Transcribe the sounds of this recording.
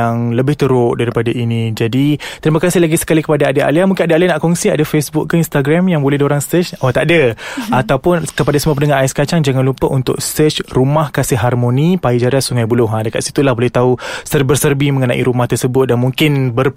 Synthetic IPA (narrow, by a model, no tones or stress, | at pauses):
aŋləbɪht̪əɾʊʔdaɾipadaʔinĩd͡ʒadit̪əɾimakasɪhlaɡisə̥kalikəpadaadəʔa̰liamuŋkɪnadəalianaʔkɔŋsiadafesbʊk̚kəinst̪aɡɾamjaŋbolɛhdioɾaŋsət͡ʃɔt̪aʔdəat̪awpʊnkəpadasəmuapənəŋaaskat͡ʃaŋd͡ʒaŋanlupəʔunt̪ʊ̰k̚sət͡ʃrumahkasɪɦarmonipaid͡ʒaɾasuŋajbulʊɦadəkat̪si̥t̪ulahbolɛht̪ausərbərsərbimə̃ŋənaʔḭɾumaht̪ərsəbʊt̪̚danmũŋkɪnbər